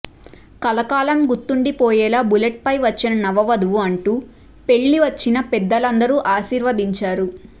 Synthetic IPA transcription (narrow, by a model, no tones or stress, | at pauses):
kɐlɐkaːlɐmɡut̪ːuɳɖipɔːjɛːlaːbuleʈ̚pɐjʋɐt͡ʃːinɐnɐʋɐʋɐd̪uʋuɐɳʈuː | pe̞ɭːiʋɐt͡ʃːinɐpɛd̪ːɐlɐnd̪ɐɾuːʔaːʃiːɾʋɐd̪iɲt͡ʃaːɾu